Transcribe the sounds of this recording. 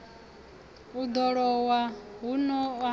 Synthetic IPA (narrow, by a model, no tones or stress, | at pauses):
ud̪ɔɺɔwaɦunɔa